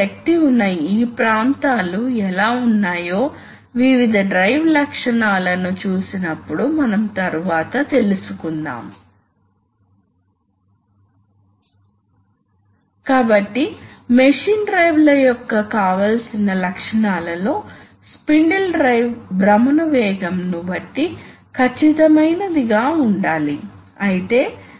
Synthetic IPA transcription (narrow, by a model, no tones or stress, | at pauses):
ɐk̚ʈiunːɐjiːpɾaːnt̪aːluɛlaːunːaːjo̞ː | ʋiʋid̪ʱɐɖɾɐjʋlɐkʂɐɳaːlɐnut͡ʃuːsinɐpːuɽumɐnɐmt̪ɐɾuʋaːt̪ɐt̪e̞lusukund̪a̰ːm | kaːbɐʈːimeʂiːnɖɾɐjʋlɐjɔkːɐkaːʋalsinɐlɐkʂɐɳaːlɐlo̞ː | spiɳɖelɖɾɐjʋbɾɐmɐnɐʋɛːɡɐmnubɐʈːi | kʰɐt͡ʃːit̪ɐmɐjnɐd̪iɡaːuɳɖaːli | ɐjit̪e̞ː